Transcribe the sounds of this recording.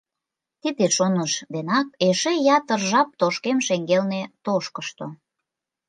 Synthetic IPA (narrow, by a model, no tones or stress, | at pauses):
t̪id̪eʃonəʃd̪enɑk̚eʃejɑt̪ərʒɑp̚t̪oʃkemʃeŋɡelnet̪oʃkəʃt̪o̰